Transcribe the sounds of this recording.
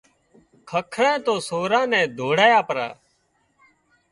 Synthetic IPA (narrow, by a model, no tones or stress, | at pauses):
kʰəkʰɾɛ̃ːt̪oːsoːɾãːnɛ̃ːd̪ʱoːɽaːjaːpəɾa̰ː